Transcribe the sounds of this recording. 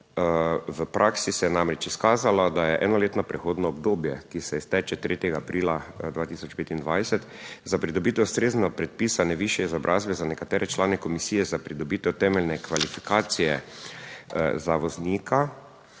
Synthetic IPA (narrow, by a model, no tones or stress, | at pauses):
ʋəpɾʔaːksisɛjɛnamɾɛt͡ʃiskaːzalɔd̪ajɛʔɛːnɔleːt̪nɔpɾɛxoːd̪nɔːbd̪oːbjɛkisɛɛst̪ɛːt͡ʃɛt̪ɾeːt̪jɛɡaːpɾiːlad̪ʋaːt̪iːsɔt͡ʃpeːt̪ind̪ʋajsɛt̪zapɾid̪ɔbiːt̪ɛwst̪ɾeznɛɡapɾɛt̪̚piːsanɛʋiʃjɛizɔbɾʔaːzbɛzanɛkat̪ɛːɾɛt͡ʃlaːnɛkɔmisiːjɛzapɾid̪ɔbiːt̪ɛwt̪ɛːmɛlnɛkʋalifikʰaːt̪sijɛ | zaʋɔzniːkʰa